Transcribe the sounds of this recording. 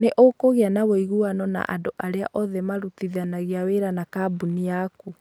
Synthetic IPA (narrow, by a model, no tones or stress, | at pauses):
neʔokoɣeanaβoiɣuanɔna̰ʔa̰ndoʔaɾea̰ʔɔðɛmaɾutiðanaɣiaweɾanakabuniaku